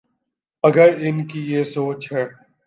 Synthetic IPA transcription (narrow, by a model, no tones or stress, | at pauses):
ɐɡəɾɪnkijesoːt͡ʃɦɛː